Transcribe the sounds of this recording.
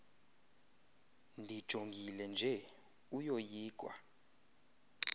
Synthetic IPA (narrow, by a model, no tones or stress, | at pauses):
ndʱid̥ʒ̥ʱoŋɡʱilɛnd͡ʒʱɛ | ujojiːɡ̥ʱwa̰